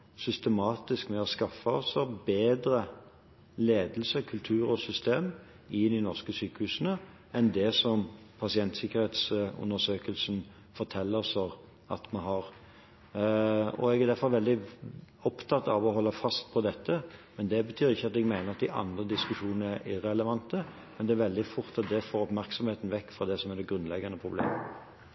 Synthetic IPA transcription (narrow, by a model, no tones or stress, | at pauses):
sʏst̪əmɑːt̪ɪskmɛɔskɑfːəɔsɔbeːd̪ɾə | leːd̪əl̩səkʰʉlt̪ʰʉːɾɔsʏst̪eːm | ɪnɪnɔʁskəsyːkəhʉːsənə | ɛnd̪ɛsɔm | pʰɑsɪɛnt̪sɪkːəɾheːt̪sʉ̰nd̪əsøːkəlsn | fɔʁt̪ʰɛlːəsɔʁ | ɑ̰t̪mɛnɦɑʁ | ɔ̰ɛɡæd̪æɾfɔɾʋɛld̪ɪɔpt̪ʰɑt̪ːɑʋɔɦɔlːəfɑst̪̚pʰɔd̪ɛt̪ʰːəmɛnd̪ɛbət̪ʰyːɾɪçːəɑt̪ɛɡmæɪnəʁɑt̪̚d̪ɪʔɑ̰nd̪ʁəd̪ɪskʉʂuːnnəæɾɪɾɛləʋɑnt̪ə | mɛnd̪ɛæɾʋɛld̪ɪfʊɾt̪ɑt̪̚d̪ɛfoːɾɔpmæʁksɔmheːt̪n̩ʋɛkːfɾɑd̪ɛsɔmæd̪ɛɡɾʉnlɛɡɑnəpʰʁʊblḛːmə